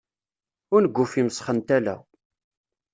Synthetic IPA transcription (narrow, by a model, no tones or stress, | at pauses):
ʊɾnəɡʷːʊfiməsχənt̪ælæ̰